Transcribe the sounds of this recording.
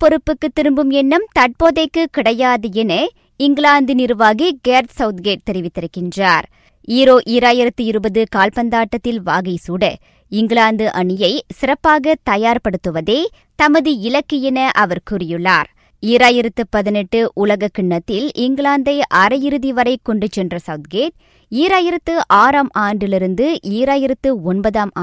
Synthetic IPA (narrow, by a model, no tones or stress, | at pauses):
pɔɾɯpːɯkːɯt̪ːɪɾɯmbɯmɛnːɐmt̪ɐʈ̚poːðɐɪkːɯkːɪɽɐjaːðɐɛnɐ | ɪŋɡɪɭaːnd̪ɯnɪɾɯʋaːɣiɡeːɾt̪sɐʊt̪ɡeːʈ̚t̪ɛɾɪʋɪt̪ːɪɾɯkːɪndraːɾ | iːɾoːʔijɾaːjɪɾɐt̪ːɯɪɾɯbɐðɯkaːlpɐnd̪aːʈːɐt̪ːɪlʋaːɣɐsuːɽɐ | ɪŋɡɪɭaːnd̪ɯʔɐɳɪjɐɪsɪɾɐpːaːɣɐt̪ɐjaːɾpɐɽɯt̪ːɯʋɐðeː | t̪ɐmɐðɯɪlɐkːɯjɪnɐʔɐʋɐɾkʊrɪjɯɭːaːɾ | iːɾaːjɪɾɐt̪ːɯpɐðɪnɛʈːɯʔʊlɐɣɐkːɪɳːɐt̪ːɪlɪŋɡɭaːnd̪ɐɪʔɐɾɐjɪɾɯðiʋɐɾɐɪkːɔɳɖɯt͡ʃːɛndrɐsɐʊt̪ɡeːʈ̚ | iːɾaːjɪɾɐt̪ːɯʔaːɾaːmʔaːɳɖɪlɪɾɯnd̪ɯʔiːɾaːjɪɾɐt̪ːɯɔnbɐðaːmː